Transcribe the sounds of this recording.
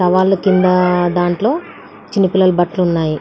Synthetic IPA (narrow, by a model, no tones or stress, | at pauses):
ɐʋaːlːukind̪ɐd̪aːɳʈlo̞ː | t͡ʃinːipilːɐlubɐʈlunːaːji